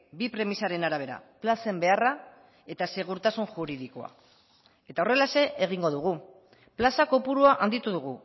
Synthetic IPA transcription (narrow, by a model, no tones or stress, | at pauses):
bipɾe̞misaɾe̞naɾaβ̞e̞ɾa̰plase̞mbe̞ara | e̞t̪ase̞ɣ̞uɾt̪asunxuɾiðikoa̰ | e̞t̪ao̞re̞lase̞ʔːɣ̞iŋɡo̞ðuɣ̞u | plasako̞puɾuaʔand̪it̪uðuɣ̞u